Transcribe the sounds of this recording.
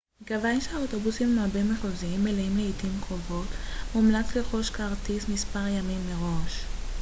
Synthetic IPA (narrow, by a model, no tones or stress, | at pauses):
ɡavajʃeaoto̞busimmabemeχoziimeleimleidimkʁo̞vo̞tmumlat͡sleχo̞ʃkaʁtismispaʁjamimːeʁo̞ʃ